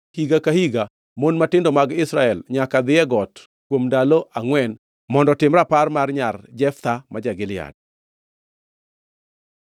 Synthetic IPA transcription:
hiɡakahiɡa | monmatɪndomaɡɪsɾaɛlɲakad̪ɪɛɡɔt | kwomndaloʔaŋwɛn | mɔndɔtɪmɾaparmarɲard͡ʒɛft̪amad͡ʒaɡɪlɪja̰d̚

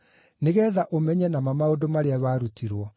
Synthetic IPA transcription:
neɣɛːðaʔomɛɲɛnamamaodomaɾeawaɾutiɾwɔ

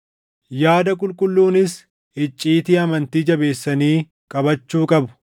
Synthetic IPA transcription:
jaːd̪ɐkʼʊlkʼʊlːuːnɪs | ʔɪt͡ʃʼːiːt̪ɪɐmɐnt̪iːd͡ʒɐbe̞ːsːɐniː | kʼɐbɐt͡ʃːuːkʼɐbʊ̥

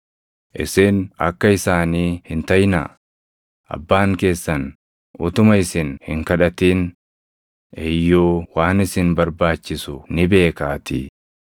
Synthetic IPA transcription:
ʔɪ̰sɪːnɐ̰kːɐɪsaːniːhɪnt̪ɐjnɐ̰ | ʔɐ̰bːaːŋke̞ːsːɐn | ʔʊt̪ʊmɐɪsɪnhɪŋkɐᶑɐt̪iːn | ʔɪjːoːwaːnɪsɪnbɐɾbaːt͡ʃːɪsʊnɪbe̞ːkaːt̪ɪ

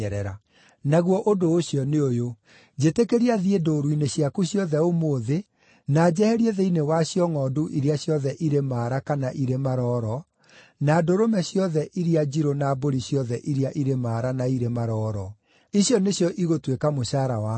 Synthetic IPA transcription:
ɛɾɛɾa̰ | naɣwɔʔodoːɕjɔneojo | d͡ʑetekeɾiaðiedoɾwineɕjakuɕjɔðɛomoːðe | naːd͡ʑɛhɛɾieðeinewaɕjɔŋɔːduʔiɾiaɕjɔðɛʔiɾemaːɾakanaʔiɾemaɾɔɾɔ | naːdoɾomɛsjɔðɛʔiɾiad͡ʑiɾonaboɾiɕjɔðɛʔiɾiaʔiɾemaːɾanaiɾemaɾɔːɾɔ | iɕjɔneɕjɔʔiɣotwekamoɕaːɾawa

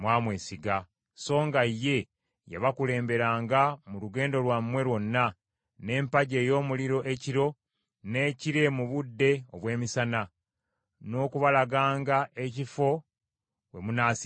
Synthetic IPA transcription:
mwaːmweːsiɡa | so̞ːŋɡaje̞ | ja̰βakule̞ːmbe̞ɾaːŋɡamuluɡe̞ːndo̞lwamːwe̞ɾwo̞nːa | ne̞ːmpaɟe̞ːjo̞ːmuliɾo̞ʔeciɾo̞ | ne̞ːciɾe̞muβudːe̞oβwe̞ːmisana | no̞ːkuβalaɡaːŋɡaʔecifo̞ | we̞munaːsi

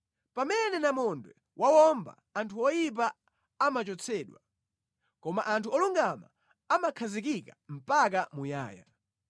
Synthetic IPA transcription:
pamɛnɛnamɔndwɛ | wʔawɔmba̰ | antʰuɔjip̬a | amat͡ʃɔt͡sʰɛːɗwa | kɔma̰ʔantʰuɔluŋɡama̰ | amakʰazik̬ikam̩pak̬amuja̰ːja̰

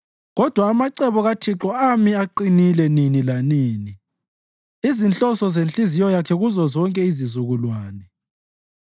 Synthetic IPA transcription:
ɣɔd̥ʱwaːmaǀɛβɔɣatʰiǁɔamiaǃinilɛninilaniːni | izint͡ɬʼɔsɔzent͡ɬʼizijɔjakʰɛɣuzɔzɔŋkʼɛizizuɣulwaːnɛ

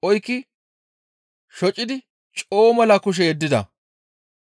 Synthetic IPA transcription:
ʔɔjkːɪ | ʃɔt͡ʃʼːɪd̪ɪ | t͡ʃʼo̞ːmɐlɐkʊʃ̬ɛjɛd̪ːɪd̪ɐ̰

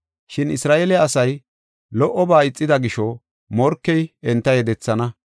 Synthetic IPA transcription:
ʃɪnɪsɾaːʔelɛːsɐj | lɔʔːɔbaːɪt͡sʼːɪd̪ɐɡɪʃɔ | mɔɾkːɛjɛnt̪ːɐjɛd̪ɛt͡sːɐnɐ

